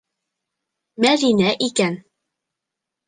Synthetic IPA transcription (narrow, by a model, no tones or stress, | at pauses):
mæɾinæʔikæn